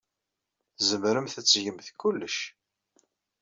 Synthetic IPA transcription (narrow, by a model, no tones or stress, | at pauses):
θzəmɾəmθæt͡sːʝəmθkulːəʃ